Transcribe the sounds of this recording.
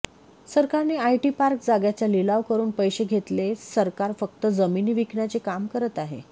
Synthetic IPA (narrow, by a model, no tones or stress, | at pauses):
səɾkaɾneajʈipaɾk̚d͡zaɡjat͡ɕjalilaʋkəɾuːnpəjɕeɡʱet̪lesəɾkaɾfək̚t̪əd͡zəminiːʋikɳat͡sekamkəɾət̪aɦḛ